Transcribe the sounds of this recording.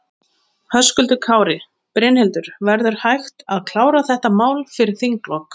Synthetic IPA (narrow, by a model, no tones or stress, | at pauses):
hœskʏlt̪ʏkʰaːwɾɪ | pɾejnhɛlt̪ʏɾ̥vɛɾðʏɾ̥hajxt̪aðkʰl̥aːwɾaθɛht̪amaːwlfɪɾɪɾ̥θiŋklɔk